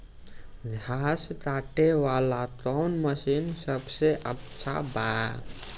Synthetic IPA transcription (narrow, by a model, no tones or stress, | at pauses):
d͡ʒʱast̪aʈeʋalat̪ɔnməsinsəbseʔət͡ʃʰa̰ba